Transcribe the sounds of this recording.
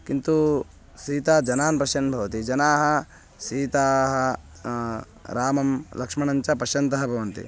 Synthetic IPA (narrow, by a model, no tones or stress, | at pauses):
kint̪u | siːt̪aːd͡ʒɐnaːnpɾɐʃɐnbʱɐʋɐt̪id͡ʒɐnaːɦɐ̆ | siːt̪aːɦɐ | ɾaːmɐmlɐkʂmɐɳɐɲt͡ʃɐpɐʃjɐnt̪ɐɦɐbʱɐʋɐnt̪ḭ